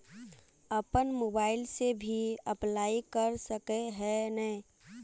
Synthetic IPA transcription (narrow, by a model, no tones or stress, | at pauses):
əpənmoːbaːɪlsebʱiəplaːikəɾsəkeɦɛnəi